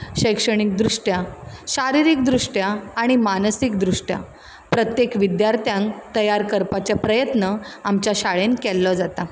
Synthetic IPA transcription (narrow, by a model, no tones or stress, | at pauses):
ɕəjkʂəɽ̃ik̚d̪ɾuʂʈjaɕaɾiɾik̚d̪ɾuʂʈjaːɽ̃imanəsik̚d̪ɾuʂʈja̰ | pɾət̪jekʋid̪jaɾt̪jãŋkt̪əjaɾkəɾpat͡ɕjapɾəjət̪nəamt͡ɕjaɕaɭenkɛlːɔd͡zat̪a